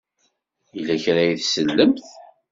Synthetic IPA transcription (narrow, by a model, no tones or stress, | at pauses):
ilæçɾæjiθsəlːəmθ